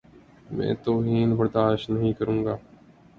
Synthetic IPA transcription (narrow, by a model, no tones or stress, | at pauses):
mɛ̰̃ːt̪oːɦiːnbəɾd̪aːʃtnəɦĩːkəɾũːɡaː